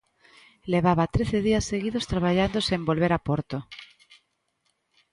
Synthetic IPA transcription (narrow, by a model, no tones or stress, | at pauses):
leβ̞aβat̪ɾeθeðiasːeɣiðost̪ɾaβ̞aʎand̪osembo̞lβeɾapoɾt̪o